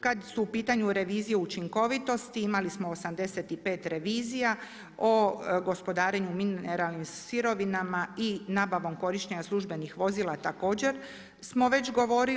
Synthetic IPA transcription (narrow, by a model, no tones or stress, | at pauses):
kad̪suupiːt̪aɲuɾe̞ʋiːzijeut͡ʃiŋko̞ʋit̪o̞st̪iimalismoosamd̪e̞se̞t̪ipeːt̪ɾe̞ʋiːzija | o̞ɡo̞spo̞d̪aːɾeɲumineɾalˠnimsiɾo̞ʋinamainaːbaʋo̞mko̞ɾiʃɲeɲaslˠuʒbe̞nixʋo̞zilat̪ako̞ːd͡ʑe̞ɾ | smo̞ʋe̞t͡ɕɡo̞ʋo̞ːɾi